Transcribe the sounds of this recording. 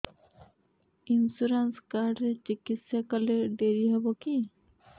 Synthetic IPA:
insuɾanskaɾɖɾet͡ʃikit̪sjakɔleɖeɾiɦɛboki

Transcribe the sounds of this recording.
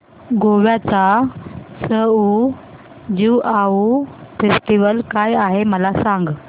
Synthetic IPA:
ɡoʋjat͡sa | səu | d͡ʑiwʔaufesʈiʋəlkajaɦeməlasaŋɡ

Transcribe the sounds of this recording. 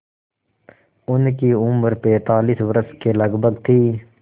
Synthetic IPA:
ʊnkiʊməɾpɛ̃ːt̪aːliːsʋəɾəskeləɡbʱəɡt̪ʰiː

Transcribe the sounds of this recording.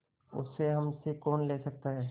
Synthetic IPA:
ʊ̰sːeɦɐmsekɔːnleːsɐk̚t̪aɦɛː

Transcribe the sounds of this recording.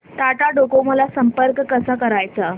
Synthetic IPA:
t̪aʈaɖokoməlasəmpəɾkːəsakəɾajt͡sa

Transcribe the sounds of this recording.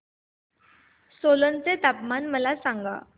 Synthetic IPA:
solənt͡set̪apmanməlasãŋɡa̰

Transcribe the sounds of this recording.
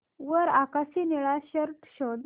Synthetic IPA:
ʋəɾakasiniɭaɕəɾʈɕɔd̪

